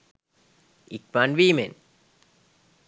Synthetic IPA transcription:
ik̚manʋiːmen

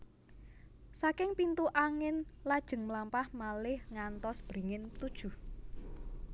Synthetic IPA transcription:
sakɪŋpint̪uʔaŋɪnlad̥ʒ̥ə̤ŋmlampahmalɪhŋant̪ɔsb̥ɾi̤ŋɪnt̪ud̥ʒ̥ṳ

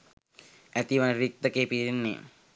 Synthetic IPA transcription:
æt̪iʋanɾik̚t̪əkeːpiɾinːḛ

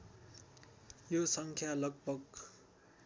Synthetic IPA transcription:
josʌŋkʰjalʌɡ̚bʱʌɡ

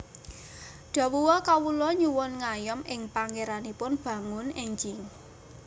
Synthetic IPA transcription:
ɖ̪̥a̤wuwɔkawulɔɲuwʊnŋajɔmɪŋpaŋkeɾanipʊnb̥ä̤ŋʊnɛɲd͡ʒɪŋ

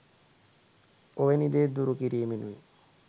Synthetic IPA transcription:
oʋenid̪eːd̪uɾukiɾiːminuʋḭ

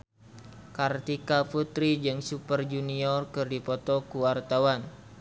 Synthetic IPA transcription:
kart̪ikaput̪ɾid͡ʒɨŋsupərd͡ʒuniɔrkɨrdipɔt̪ɔkuwart̪awan

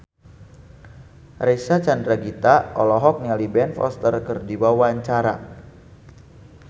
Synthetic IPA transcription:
resat͡ʃandɾaɡit̪aɔlɔɦɔk̚nialibɛnfɔ̰st̪ərkɨrdiwawaɲt͡ʃaɾa̰

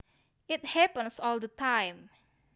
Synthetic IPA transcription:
ʔɪt̚hɛpə̃nsɔldətʰãjm

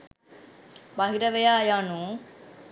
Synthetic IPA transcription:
bɐɦiɾɐʋejaːjaːnuː

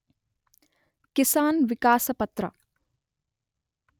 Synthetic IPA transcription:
kɪsaːnʋɪkaːsɐpɐt̪ɾɐ̰

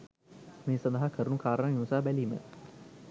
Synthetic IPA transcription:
meːsɐ̃nd̪ɐɦakʰəɾunukaːɾəɳəniʋsaːbæliːmə̰

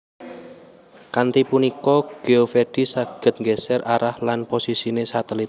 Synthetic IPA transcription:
kant̪ipunikɔɡ̥e̤ofeɖ̥i̤saɡ̥ə̤t̪̚ŋɡɛsɛraɾahlanposisinesat̪əlit̪̚

